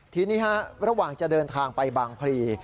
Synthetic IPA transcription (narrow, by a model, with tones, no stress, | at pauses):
t̪ʰiː˧niː˦˥˩ha˦˥ɾa˧waː˨˩ŋt͡ɕa˨˩dɤː˧nt̪ʰaː˧ŋpa˧jbaː˧ŋpʰɾiː˧